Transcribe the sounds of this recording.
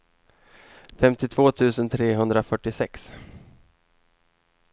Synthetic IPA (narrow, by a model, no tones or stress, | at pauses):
fɛmt̪ɪt̪ʰvoːt̪ʰʉ̟ːsənt̪ʰɾeːɦɵnd̪ɾafœʈːɪsɛks